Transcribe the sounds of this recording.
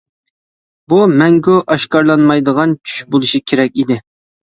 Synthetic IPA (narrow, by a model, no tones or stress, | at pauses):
bumɛŋɡʲuʔɑʃkɑɾlˠɑnmɑjd̪əʁɑnt͡ʃʰy̥ʃbolˠuʃikʲʰeɾɛkʲid̪ɪ